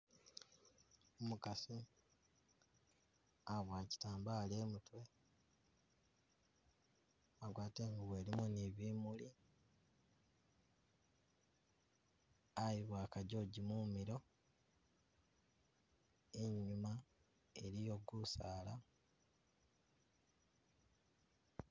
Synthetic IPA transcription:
omukasi | aβwaːci̥taːmbale̞ːmutwe̞ | aɡwaːteːŋɡaβweːɾimuniβiːmuli | ajiβwaːkaɟo̞ɟimumiɾo̞ | eɲuma | eɾijo̞ɡusaːla

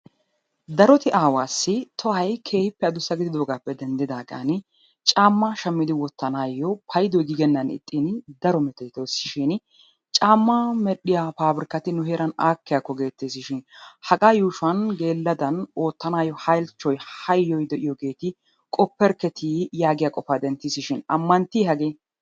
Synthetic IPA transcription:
d̪ɐɾɔt̪ɪʔaːwaːsːɪt̪ʰɔhɐjkʰe̞ːhɪpːɛɐd̪ʊsːɐɡɪd̪ɪd̪o̞ːɡaːpːɛd̪ɛnd̪ɪd̪aːɡɐ̰nɪ | t͡ʃʼaːmːɐʃɐmːɪd̪ɪwɔt̪ːɐnaːjːɔpʰɐjd̪ɔjɡɪɡɛnːɐnɪ̰t̪ʼːɪnɪd̪ɐɾɔmɛt̪ɛjt̪oːsɪ̥ʃɪn | t͡ʃʼaːmːɐmɛɗɪjafaːbɾɪkːɐt̪ɪnʊɦeːɾɐnaːkːɪjakːɔɡe̞ːt̪ːisɪʃɪnhɐɡʼaːjuːʃʊɐnɡe̞ːlːɐd̪ɐno̞ːt̪ːɐnaːjːɔhɐjlt͡ʃːɔjhɐjːɔjd̪ɛʔɪjɔɡe̞ːt̪ɪ | kʼɔpːɛɾkɛt̪ʰijaːɡɪjaːkʼɔfaːd̪ɛnt̪ːisɪʃɪnɐ̰mːɐnt̪ːiːɦɐɡeː

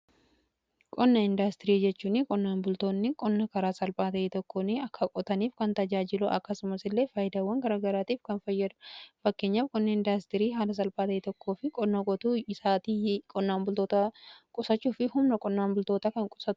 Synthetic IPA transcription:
kʼɔnːɐɪnd̪ast̪ɪɾiːd͡ʒɛt͡ʃːuːnɪkʼɔnːaːnbʊlt̪oːnːɪkʼɔnːɐkɐɾaːsɐlpʼaːt̪ɐʔeːt̪ɔkːoːnːɪɐkːɐkʼɔt̪ɐniːfkɐnt̪ɐd͡ʒaːd͡ʒɪluʔɐ̰kːɐsʊmɐsɪlːe̞ːfɐjɪd̪ɐːwːɐŋɡɐɾaːɡɐɾaːt̪iːfkɐnfɐjːɐd̪ʊ̥fɐkːe̞ːɲːaːfkʼɔnːɐɪnd̪ast̪ɪɾiːɦaːlɐs̬ɐlpʼaːt̪ɐʔeːt̪ɔkʰːoːfɪkʼɔnːɐkʼɔt̪uːɪsaːt̪iːkʼɔnːaːmbʊlt̪oːt̪ɐkʼʊsɐt͡ʃːuːfɪhʊmnɐkʼɔnːaːnbʊlt̪oːt̪ɐkɐŋkʼʊ̥sɐt̪ʊ̥

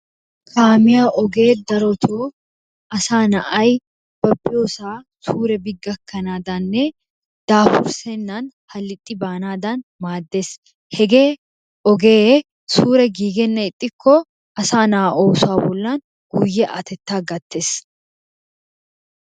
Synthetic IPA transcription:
kʰaːmɪjaːʔɔɡeːd̪ɐɾɔt̪ʰoː | ɐsaːnɐʔɐj | b̥ɐbːɪjoːsaː | suːɾɛbɪɡːɐkːɐnaːd̪aːnːe | d̪̥aːfʊ̰ɾsenːaːnhɐlːɪt̪ʼːɪbaːnaːd̪aːnmaːd̪ːeːs | hɛɡe̞ː | ɔɡeː | suːɾɛɡiːɡɛnːɐɪt̪ʼːɪkʰːɔː | ɐsaːnaʔoːsaːbɔlːaːn | ɡ̥uːjːɛʔɐ̰t̪ɛt̪ːaːɡɐt̪ːeːs

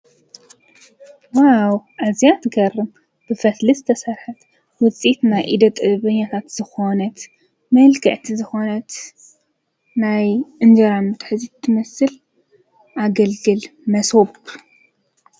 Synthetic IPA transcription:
wawʔazjat̪ɡɐrɨm | b̥ɨfɐt̪lɨzɨt̪ʰɐsɐɾħat̪ | wʊt͡sʼit̪najʔid̪ɐt̪ʼɨβɐɲːat̪ʰat̪z̥ɨxo̞nɐt̪ | mɐlkʰɐʕt̪ʰizɨxo̞nɐt̪ | najʔɨnd͡ʒɐɾamɨt̪ħɨzit̪ʰːɨmɐsɨl | ʔaɡɐlɡɨlmɐsob

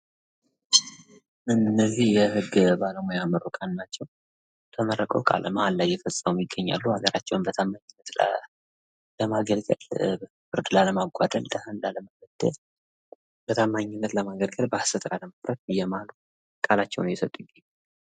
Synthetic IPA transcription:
ʔɨnːəzihjɛhɨɡːbaləmojaməɾokʼanːat͡ʃːɛw | t̪ʰəməɾəkʼəwkʼa̰lməhallajːɛfəsʼəməmjɪɡːəɲːa̰lːuaɡəɾʔat͡ʃːɛwnbət̪ʰamːaɲɪnːət̪ | ləmaɡəlɡʼə̰l | fɨɾd̪laləmaɡʷad̪əld̪ʼəhənlaləmaɡəd̪̥ə̰ | bət̪ʰamːaɲːɪnːət̪ləmaɡəlɡəlbəsət̪ʼkʼaləmafɾət̪̚jːɛmalu | kʼalat͡ʃːɛ̰wnjɛsət̪ʼujɪɡəɲː

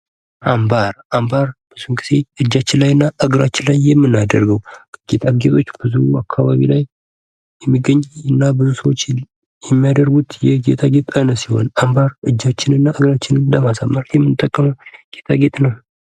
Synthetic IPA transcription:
ʔambaɾ | ambaɾb̥əz̥uŋkɨse̞ɨd͡ʒːat͡ʃːɪnlajɨnːaʔɨɡɨɾat͡ʃːɪnlajːɛmːɨnːad̪əɾɡəwɡ̥et̪ʰʼaɡet̪ʼot͡ʃːbəzuuakʰːaβa̰βḭlaj | jɛmːiɡəɲːɨnːabɨzusəwot͡ʃː | jɛmːijad̪əɾɡut̪jɛɡet̪ʰaɡe̞t̪ʼənəsiho̞̰nambaɾɨd͡ʒːat͡ʃːɪnɨnːaʔɨɡɾat͡ʃːɪnɨnləmasamːaɾjɛmːɨnɨt̪ʼːəkʼːəməwɡ̥et̪ʰaɡet̪ʼnəw

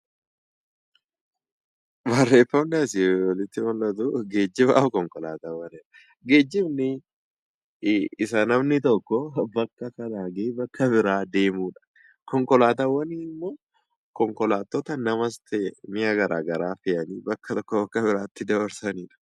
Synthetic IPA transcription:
bɐrːeːfɐmdaːsɪwɐlɪt̪ːɪmɔlːɐt̪ʊɡe̞ːd͡ʒːɪba̰ːʊkɔŋkɔlaːt̪ɐwːɐniːᶑɐ̥ | ɡe̞ːd͡ʒːɪbnɪ | ɪsɐnɐmnɪt̪ɔkːɔbɐkːɐkɐnaːɡeːbɐkʰːɐbɪɾaːd̪e̞ːmuːᶑɐ̥ | kɔŋkɔlaːt̪ɐwːɐniːɪmːoː | kɔŋkɔlaːt̪ːɔt̪ɐnɐmɐst̪ɛmɪjaɡɐɾa̰ːɡɐɾaːfɪʔɐniːbɐkːɐt̪ɔkːɔbɐkːɐbɪɾaːt̪ːɪd̪ɐbɐɾsɐniːᶑɐ̥

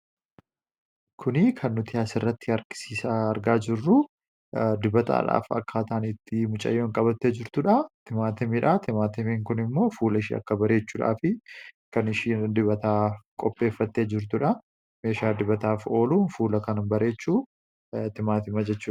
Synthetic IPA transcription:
kʰʊnɪkʰɐnːʊt̪ɪaːsɪrːɐt̪ːɪɐɾkɪ̥siːsaɐɾɡaːd͡ʒɪrːʊ | d̪ɪbɐt̪a̰ːᶑa̰ːfɐ̰kːaːt̪ɐʔːnɪt̪ːɪmʊt͡ʃʼɐ̰jːoːɪŋkʼɐbɐt̪ːed͡ʒɪɾt̪ʊᶑɐt̪ɪmaːt̪ɐmiᶑɐt̪ɪmaːt̪ɐmiŋkʊnɪmːo̞ːfuːlɐɪʃḭːɐ̰kːɐbɐɾe̞ːt͡ʃːuːᶑa̰ːfɪkɐnɪʃiːd̪ɪβɐt̪aːkʼɔpʼːe̞ːfːɐt̪ːeːd͡ʒɪɾt̪ʊᶑɐ | meːʃaːd̪ɪbɐt̪aːfo̞ːluːnfuːlɐkɐnɐmbɐɾe̞ːt͡ʃːuː | t̪ɪmaːt̪ɪmɐd͡ʒɛt͡ʃːuːɐ

